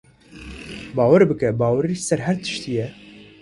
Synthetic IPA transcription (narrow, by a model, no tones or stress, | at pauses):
bɑːwɨɾbɨkɛbɑːwɛɾisɛɾɦɛɾt̪ʰɨ̥ʃt̪ijɛ